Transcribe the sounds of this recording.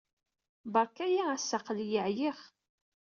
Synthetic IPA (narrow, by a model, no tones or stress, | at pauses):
bɑɾkæjaæsːaqljəʕjiχ